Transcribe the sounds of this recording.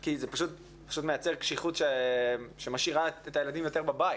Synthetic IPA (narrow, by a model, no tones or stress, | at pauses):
kizepaʃut | pḁʃutmejat͡seʁkʃiχutʃeʃemaʃiʁaetajeladimjo̞te̞ʁbabaj